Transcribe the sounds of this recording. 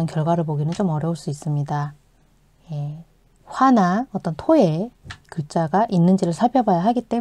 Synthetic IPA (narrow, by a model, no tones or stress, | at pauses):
ʌnkjʌɭɡwaɾɯɭpoɡinɯnt͡ɕomʌɾjʌuɭs͈uis͈ɯmɲida | je̞ | ɸwanaʌt͈ʌntʰoe̞kɯt͡ɕ͈aɡaʔinːɯnd͡ʑiɾɯɭsʰapʰjʌbajaɦaɡit͈e̞